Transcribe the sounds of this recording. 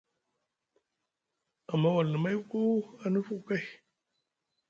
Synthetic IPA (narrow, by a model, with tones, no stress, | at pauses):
a˨mːa˦wa˨lnə˨ma˦jko˦a˦nɨ˦fu˦˨ka˦˨j